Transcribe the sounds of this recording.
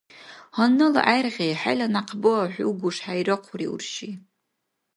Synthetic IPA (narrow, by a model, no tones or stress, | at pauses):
honɨla̰ʔajrʁʲejħajlanaqʰbɨaħʷuɡʷʊʂħajrɨqʷʰriṵrʃi